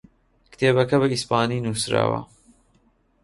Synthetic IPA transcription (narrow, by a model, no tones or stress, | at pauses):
kt̪ʰeːbɐkɐβɐispaːniːnuːsɾa̰ːwɐ̰